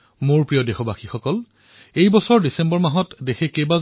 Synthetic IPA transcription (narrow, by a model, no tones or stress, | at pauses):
moɹpɹijɔdexɔbaxixɔkɔl | ejbɔsɔɹdisembɔɹmaɦɔtdexekeba